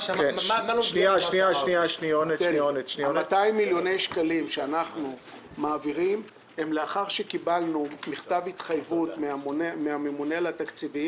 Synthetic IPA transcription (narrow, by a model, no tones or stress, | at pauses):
keʃniaʃniaʃniaʃnijonekeonet̪ʃniomat̪aimːiljo̞ne̞jʃkalimʃeanaχnu | maːviʁim | he̞mle̞aχaʁʃekibalnumiχt̪avit̪χajvutmeamunemeamemunelat̪akt͡sivim